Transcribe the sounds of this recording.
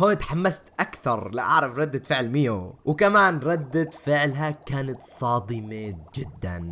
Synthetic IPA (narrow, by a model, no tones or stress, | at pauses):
hoːjt̪ħamːast̪ʔakθɑɾˤla̰ʔaʕɾˤɑfɾˤɑd̪ːad̪fɪʕlmiːuwkamaːnɾˤɑd̪ːad̪fɪʕlɦakaːnat̪sˤɑːd̪ˤɨmed͡ʒɪd̪ːa̰n